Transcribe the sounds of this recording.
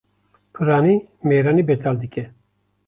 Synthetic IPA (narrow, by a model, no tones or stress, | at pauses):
pʰɨɾaːniːmeːɾaːniːbɛt̪ʰaːld̪ɨkʲɛ